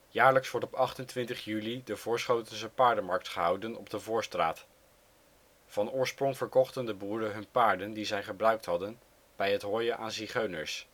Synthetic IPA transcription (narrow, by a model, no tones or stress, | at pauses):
jaːɹləksʋɔɹtɔpɑχtəntʋɪntəχjylidəvʊːɹsχowtənsəpaːɹdəmɑɹk̚tχəɦɑwdənɔ̰bdəvʊːɹstra̰ːt | vɑnʊːɹsprɔŋvəɹkɔχtəndəbuːɾəɦɵnpaːɹdəndizɛjχəbrœɥk̚tɦɑdən | b̥ɛjɦətɦoːjənʔaːnziχøɥnəɹs